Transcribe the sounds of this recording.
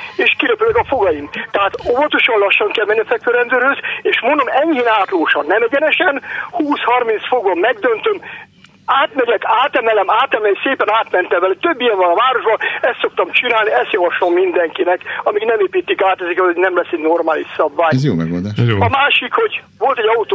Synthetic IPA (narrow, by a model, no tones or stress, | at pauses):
eːʃkiɾɛpylɛkɒfo̞ɡɒjimt̪ɛɦaːt̪ovɒt̪o̞ʃɒnlɒʃːɒŋkɛlmɛnːifɛk̚føɾɛnd̪øːɾhøzeːʃmond̪o̞mɛɲheːnaːt̪loːʃɒnɛmɛɟɛnɛʃɛnhuːshɒrmint̪sfoɡvɒmːɛɡd̪ønt̪øm | aːt̪mɛɟɛkaːt̪ɛmɛlɛmaːt̪ɛmɛlseːpɛnaːt̪mɛnt̪ɛmɛlɛt̪øbːijɛɱvɒnɒvaːɾo̞ʒbɒɛst̪sok̚t̪ɒmt͡ʃinaːlniɛst̪jɒvɒʃlo̞mːind̪ɛŋkinɛkɒmiɡnɛmeːpiːt̪ːikaːt̪ɛzikɛlhoɟnɛmlɛsɛɟno̞rmaːliʃsɒbvaːjzjo̰ːmɛ̰ɡo̰ld̪aːʃɒmaːʃikho̞ɟ | vo̞lt̪ɛɟɒut̪ː